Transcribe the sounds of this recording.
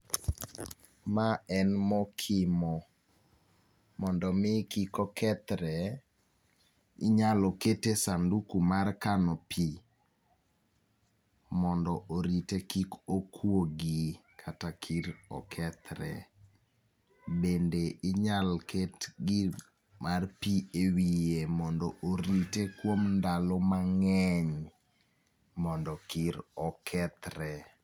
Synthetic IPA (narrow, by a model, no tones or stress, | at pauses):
maɛnmɔkʰɪmɔ | mɔndɔmɪkikɔkʰɛt̪ɾɛ | ɪɲalɔketesandukumarkanɔpʰi | mɔndɔʔoɾitekikokʰwoɡikʰatakʰiɾɔ̰kʰɛt̪ɾɛ̰ | bendeɪɲalkʰetɡɪ | marpiewijemɔndɔʔoɾitekwomndalɔmaŋɛɲ | mɔndɔkiɾɔkʰɛt̪ɾɛ